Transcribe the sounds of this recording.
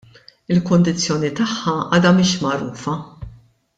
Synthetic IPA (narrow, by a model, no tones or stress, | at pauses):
ɪlkʊnd̪ɪt͡sːjɔːnit̪ɐħːɐɐ̰ːd̪ɐmɪːʃmɐɾṵːfɐ